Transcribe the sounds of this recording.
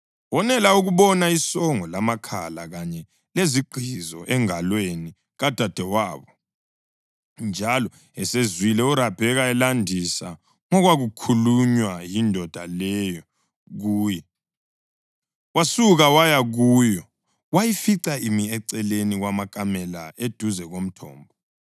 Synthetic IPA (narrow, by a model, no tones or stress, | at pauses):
wɔnɛlauɣuβɔnaisɔŋɔlamakʰa̰laɣaɲɛ | leziɡ͡ǃʱizɔ̰ʔɛŋalweni | ɣad̥ʱad̥ʱɛwaːβɔ | nd͡ʒʱalɔ | ɛsezwilɛuɾapʰɛɣaɛlandʱisa | ŋɔɣwaɣukʰuluɲwajindʱɔd̥ʱa̰lɛjɔ | ɣuːjɛ | wasuɣawajaɣuːjɔ | wajifiǀaimiɛǀɛleniɣwamakʼamɛlaʔed̥ʱuzɛɣom̩tʰɔ̰ːmbʱɔ